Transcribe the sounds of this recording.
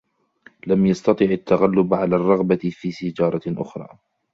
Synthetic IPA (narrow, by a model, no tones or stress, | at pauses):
lamjɑst̪ɑt̪ˤɨːʕat̪ːaɣalːʊbʕalaːrˤːɑɣbafiːsɪd͡ʒɑːɾˤɑʔʊ̰xɾˤɑ̰ː